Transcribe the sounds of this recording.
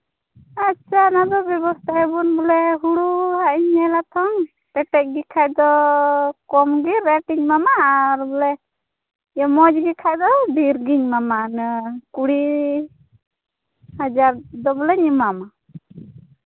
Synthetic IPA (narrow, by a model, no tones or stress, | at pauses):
atːt͡ʃʰanad̪ɔbjɔbɔst̪ʰaɛbunbɔlɛɦuɽuɦaʔiɲɛlat̪ʰɔŋ | pɛʈɛc̚ɡikʰajd̪ɔ | kɔmɡiɾɛʈiɲmamaɾbɔlɛ | jɔmɔd͡ʒɡikʰajd̪ɔbʱiɾɡiɲmamanəkuɽi | had͡ʒaɾd̪ɔbɔlɛɲimama